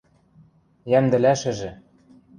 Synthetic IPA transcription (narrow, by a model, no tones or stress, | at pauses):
jæmd̪ɘ̆læʃɘ̆ʒɘ̆